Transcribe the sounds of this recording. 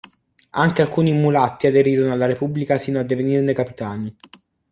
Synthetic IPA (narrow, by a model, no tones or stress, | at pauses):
aŋk̟ealkuːniːmːulat̪ːiad̪eɾiːɾonoalːaɾepubːlikasiːnoad̪ːevenirnekapit̪aːni